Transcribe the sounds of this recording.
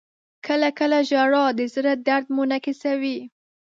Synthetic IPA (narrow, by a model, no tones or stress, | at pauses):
kʰəlakəlaʒaɾɑd̪əzɾad̪aɾd̪monakisawi